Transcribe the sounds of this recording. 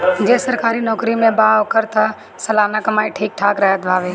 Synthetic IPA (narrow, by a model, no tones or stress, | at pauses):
d͡ʒeːsəɾkaːɾinɔːkɾimẽbaːʋkəɾt̪a | sɐlaːnakɐmaːiʈʰiːk̚ʈʰaːkɾəɦət̪bʱaːʋeː